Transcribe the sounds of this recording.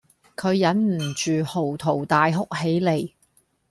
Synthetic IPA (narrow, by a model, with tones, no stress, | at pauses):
kʰɵ˨˧ɥjɐ˨˥nm̩˨˩t͡ʃyː˨ho˨˩wt̪ʰo˨˩wt̪aː˨jɦʊ˥k̚he˨˥jle˨˧j